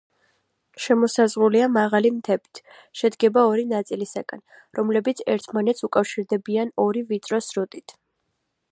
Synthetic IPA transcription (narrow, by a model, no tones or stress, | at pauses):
ʃɛmɔsazʁuliamaʁalimt̪ʰɛbi̥t̪ʰ | ʃɛd̪ɡɛbaɔɾinat̪sʼilisaɡʼa̰n | ɾɔmlɛbit̪sʰɛɾt̪ʰmanɛt̪sʰukʼafʃiɾd̪ɛbianɔɾivit̪sʼɾɔsɾut̪ʼit̪ʰ